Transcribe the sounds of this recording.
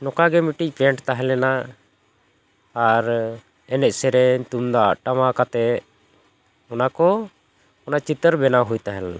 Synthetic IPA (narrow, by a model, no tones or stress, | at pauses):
nɔkaɡɛmiʈic̚ˀpɛɳʈt̪aɦɛlɛna | aɾ | ɛnɛʔ̪̚sɛɾɛɲt̪umd̪aʔʈamakat̪ɛ | ɔnakɔ | ɔnaʔt͡ʃit̪əɾbɛnaɦujt̪aɦɛla